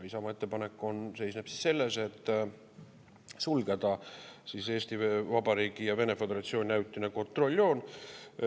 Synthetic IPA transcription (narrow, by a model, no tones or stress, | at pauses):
isɑmɑet̪ːe̞pɑne̞kːˑo̞nse̞jsnepsi̥sse̞lːese̞t̪ː | sulɡe̞d̪̥ɑsise̞ːst̪ivɑbɑɾiːɡ̥ijɑve̞ne̞fe̞d̪e̞ɾɑt̪sio̞ːnʲinæwt̪ːˑineko̞nt̪ˑro̞lʲːo̞ːn